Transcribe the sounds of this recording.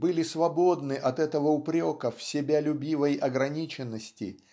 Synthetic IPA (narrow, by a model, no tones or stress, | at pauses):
bɨlʲɪsvɐbo̞d̪nɨʔɐt̪ɛt̪əvəʊpɾʲo̞kəfsʲɪbʲalʲʊbʲivəjʔɐɡɾɐnʲit͡ɕɪnːəsʲtʲɪ̰